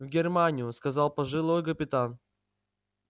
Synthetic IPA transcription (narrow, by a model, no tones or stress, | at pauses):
vʲɡʲɪrmanʲɪjʊskɐzɑlˠpɐʐɨlˠojkəpʲɪt̪an